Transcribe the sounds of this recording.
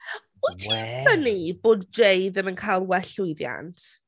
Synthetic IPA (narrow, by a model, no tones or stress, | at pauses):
ujtʰiəniboːdejðəmənkʰajlˠwɛɬʊjðja̰ntʰ